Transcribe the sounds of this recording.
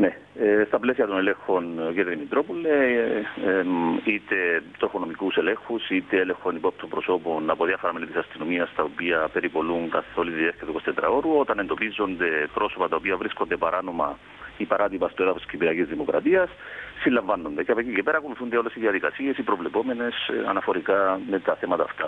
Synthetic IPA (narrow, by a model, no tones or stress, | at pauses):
ne̞ | st̪ɐple̞siɐt̪onele̞ŋxo̞ncet̪ðimit̪ɾo̞polːe | it̪e̞t̪ɾofono̞mikuse̞le̞ŋxusit̪eelexonipo̞p̚t̪ombɾo̞so̞po̞nɐpoðiɐfoɾɐmelit̪isɐst̪ino̞miɐst̪ɐopiɐpe̞ɾipo̞luŋkɐθo̞liðieθcet̪okost̪et̪ɾɐ̰o̞ɾuot̪ɐnend̪o̞pizːo̞nd̪e̞pɾo̞so̞pɐt̪ɐopiɐvɾiskond̪epɐɾʔano̞mɐ | ipɐɾʔat̪ipɐst̪ueðɐfosi̥scipiɾɐcizðimo̞kɾɐ̰t̪iɐsːilːɐɱvɐnːo̞nd̪e̞ceɐpocicepe̞ɾɐko̞luθund̪eo̞lːe̞siðiɐðikɐsie̞sipɾo̞vle̞po̞me̞ne̞sɐ̰nɐfo̞ɾikɐme̞t̪ɐθe̞mɐt̪ɐːft̪ɐ